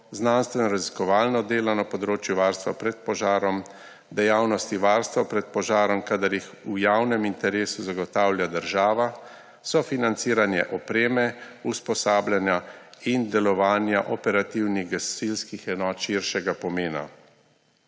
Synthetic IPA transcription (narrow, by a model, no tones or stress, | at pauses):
znanst̪ʋɛnɔɾaziskɔʋaːlnɔd̪eːlɔnapɔd̪ɾoːt͡ʃjuʋaːɾst̪ʋa̰pɾɛt̪̚pɔʒaːɾɔm | d̪ɛjawnɔst̪iʋaːɾst̪ʋapɾɛt̪̚pɔʒaːɾɔmkad̪aɾix | ujawnɛmint̪ɛɾeːsuzaɡɔt̪aːwlʲjad̪əɾʒaːʋa | sɔfinant̪siːɾanjɛ̰ʔɔpɾeːmɛuspɔsaːblʲjanjaind̪ɛlɔʋaːnjaʔɔpɛɾat̪iwniɣɡasilskixɛnɔːt̪ʃiɾʃɛɡapɔmeːna̰